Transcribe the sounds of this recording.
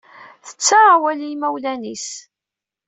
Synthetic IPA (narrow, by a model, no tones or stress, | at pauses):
θə̥t͡sːawælijmæwlænis